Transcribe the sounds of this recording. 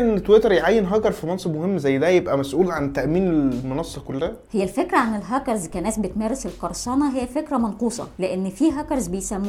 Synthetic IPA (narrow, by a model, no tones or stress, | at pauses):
ʔent̪ːwet̪eɾjʕajːenɦɑːɡɑɾˤfimɑnsˤeb̚mohemːzæjːd̪æjebʔæmæsʔuːlʕant̪æʔmiːnemonɑsˤːɑkolːæhæhejːælfekɾæʕanelɦæːkɑɾzkænæːsbet̪mæːɾeselqɑɾˤsˤɑːnɑɦejːæfekɾæmɑnquːsˤɑ̰leʔenːfiːɦæːkɑɾˤzbejsæmː